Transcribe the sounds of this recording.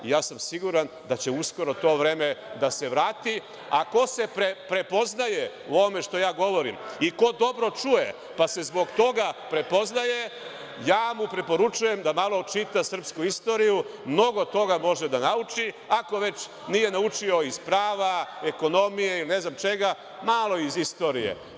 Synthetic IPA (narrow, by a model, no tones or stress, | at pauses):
ijaːsamsiɡuɾan | d̪at͡ɕeusko̞ɾo̞t̪o̞ːʋɾeːme̞d̪ase̞ʋɾaːt̪i | ako̞se̞pɾepɾe̞po̞znaje̞ | uoʋome̞ʃt̪o̞jaːɡo̞ʋo̞ɾḭmiko̞d̪o̞bɾo̞t͡ʃujḛ | pase̞zbo̞ɡt̪o̞ɡapɾe̞po̞znaje̞ | jaːmupɾepo̞ɾut͡ʃuje̞md̪amalˠo̞t͡ʃit̪asr̩pskuist̪o̞ːɾijumno̞ɡo̞t̪o̞ɡamo̞ʒed̪anaut͡ʃi | ako̞ʋe̞t͡ʃ | nije̞naut͡ʃio̞izpɾaːʋaeko̞no̞mijeiline̞znamt͡ʃe̞ɡa | malˠo̞izist̪o̞ːɾijḛ